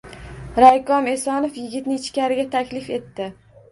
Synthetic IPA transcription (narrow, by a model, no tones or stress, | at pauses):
ɾajkʰɒmesɒnofjɪɡʲɪt̪nɪɪt͡ʃkʲaɾɪɡʲat̪ʰakʲlɪfe̞t̪ːɪ